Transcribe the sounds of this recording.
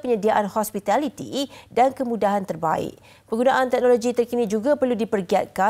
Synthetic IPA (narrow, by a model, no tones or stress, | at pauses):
pəɲədiaʔanhɔspit̪alit̪ḭdankəmũdaɦant̪ərba̰ɪ̰k | pəŋɡunãʔant̪ɛk̚noloɡit̪ərkinid͡ʒuɡapərludipərɡiat̪̚ka